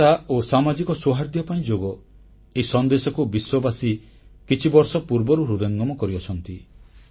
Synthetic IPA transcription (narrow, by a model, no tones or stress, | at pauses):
aosamad͡ʒikɔsoɦaɾd̪jɔpaĩd͡ʒoɡɔ | eisɔnd̪esɔkubiswɔbasi | kit͡ʃʰibɔɾsɔpuɾbɔɾuɾud̪ɔŋɡɔmɔkɔɾiɔt͡ʃʰɔnt̪i